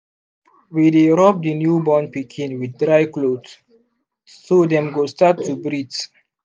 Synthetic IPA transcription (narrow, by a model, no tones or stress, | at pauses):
wideɹɔp̚dənjubɔnpikʰĩnwiddɾajklod | sodɛ̃mɡostatʰːubɾids